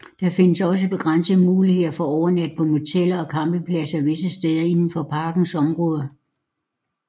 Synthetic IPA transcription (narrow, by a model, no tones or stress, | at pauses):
d̥ɑ̈fe̝nəsɒ̽səb̥e̝ɡ̥ʁan̰səð̩ˠmuːlihe̝ð̰ˠɐfɒ̽ɒʊɐnæd̥̚pʰɒ̽mo̝t͡sʰel̰ɐɒ̽kʰɑ̈mb̥eŋpʰlæsɐʋe̝səsd̥eðˠɐe̝nn̩fɒ̽pʰɑ̈ːɡ̥n̩sɒ̽mʁɔ̽ːð̞ˠɐ